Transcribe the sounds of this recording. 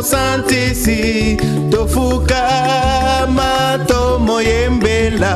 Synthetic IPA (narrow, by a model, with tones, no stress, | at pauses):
sa˦nti˦si˨ | to˨fu˦ka˦ | ma˦ | tɔ˦mɔ˨je˦mbɛ˦la˨